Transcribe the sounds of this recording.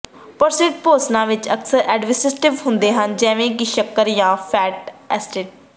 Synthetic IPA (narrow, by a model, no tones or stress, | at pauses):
pəɾsɪːʈpoːsnãːʋɪt͡ʃəksəɾɛːɖʋɪsɪsʈɪʋɦʊ̃nd̪eːɦənd͡ʒɛːʋẽːkɪʃəkːəɾjãːpʰɛːʈɛsʈeːʈ̚